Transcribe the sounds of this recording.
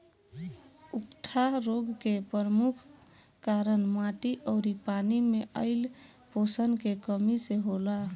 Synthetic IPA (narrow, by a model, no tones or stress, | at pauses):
ukʈʰaɾoɡkepəɾmukʰ | kaɾənmaʈiʔɔʊɾipanimeʔəɪl | posənkekəmiseɦola